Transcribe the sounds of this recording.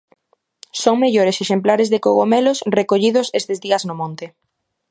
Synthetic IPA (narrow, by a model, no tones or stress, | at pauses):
soŋmeʎoɾeseʃemplaɾezðekoɣomelosrekoʎið̞ʊsest̪ezðiɐznʊmõnt̪ɪ